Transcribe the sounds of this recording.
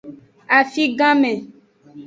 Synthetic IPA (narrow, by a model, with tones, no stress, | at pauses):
a˨fi˦ɡã˦mɛ̃˨